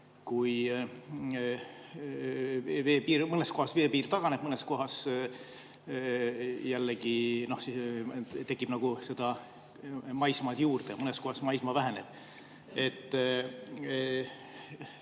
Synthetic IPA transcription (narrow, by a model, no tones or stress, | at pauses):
kuj | ve̞ːpiːɾmɤnesko̞hɑsve̞ːpiːrt̪ɑɡ̥ɑneb̥̚mɤnesko̞ɦɑs | jælːeɡ̥ino̞hsit̪e̞kːˑib̥nɑɡ̥use̞d̪̥ɑ | mɑjsmɑt̪juːrd̪̥emɤnesko̞hɑsmɑjsmɑvæɦeneb̥ | e̞t̪ː